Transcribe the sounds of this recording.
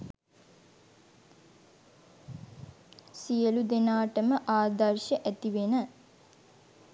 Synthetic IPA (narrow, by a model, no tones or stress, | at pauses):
sijəlud̪enaːʈəməʔaːd̪ɐrʃəʔæt̪iʋenə